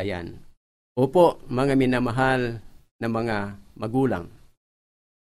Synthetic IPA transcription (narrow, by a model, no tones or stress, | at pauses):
aja̰n | opoʔmɐŋamɪnamaɦalnamɐŋamɐɡuːla̰ŋ